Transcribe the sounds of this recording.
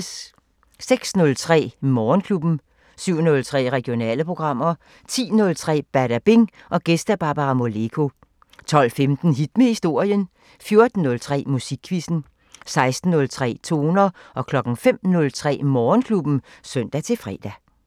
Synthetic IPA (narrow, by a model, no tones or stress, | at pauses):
s | seɡ̥snɔ̽lt͡sʰʁɛ̰ːmɒːnkʰlub̥n̩ | syʊ̰nɔ̽lt͡sʰʁɛ̰ːʁɛɡ̥io̝nɛ̰ːləpʰʁo̝ɡ̥ʁɑ̈m̰ɐ | t͡sʰḭːnɔ̽lt͡sʰʁɛ̰ːb̥æɐɾ̥æb̥e̝ŋ | ʔɒ̽ɡ̥esd̥æb̥ɑ̈ːb̥ɑʁɑ̈mo̝le̝kʰo̝ | t͡sʰɒ̽l̰femd̥n̩ɦid̥̚mehisd̥o̝ɐ̰jən | fjo̝ɐd̥n̩ːɔ̽lt͡sʰʁɛ̰ːmusiɡ̥ʰʋisn̩ | sɑ̈ɪsd̥n̩ːɔ̽lt͡sʰʁɛ̰ːt͡sʰo̝̰ːnɐʔɒ̽kʰlɒ̽ɡ̥ŋ̩fem̰nɔ̽lt͡sʰʁɛ̰ːmɒːnkʰlub̥n̩sœn̰d̥æt͡sʰe̝fʁɛ̰ːd̥æ